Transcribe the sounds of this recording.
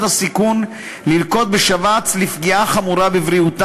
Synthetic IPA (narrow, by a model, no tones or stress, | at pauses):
tasikun | lilko̞t̪̚beʃavat͡slifɡiʔaχamuɾabevʁiut̪